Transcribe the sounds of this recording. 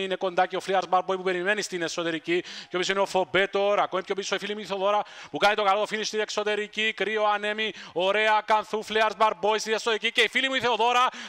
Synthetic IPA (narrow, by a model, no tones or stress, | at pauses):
ine̞ko̞nd̪ɐceofliɐɾzbɐɾbojpupe̞ɾime̞nist̪ine̞so̞t̪e̞ɾiciceopisineofo̞be̞t̪o̞ɾɐkomipçʰopisoifilimuiθeoðo̞ɾɐpukɐnit̪o̞kɐlo̞t̪o̞filist̪ine̞kso̞t̪e̞ɾicikɾio̞ɐne̞mio̞ɾe̞ɐkɐnθufliɐɾzbɐɾbo̞ist̪ine̞sːot̪eɾicice̞ifilimuiθeoðo̞ɾɐ